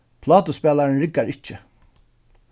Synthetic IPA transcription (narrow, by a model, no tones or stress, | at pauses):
pʰlɑːt̪əspɛːlaɹnɹɪkːaɹɪt͡ʃːɪ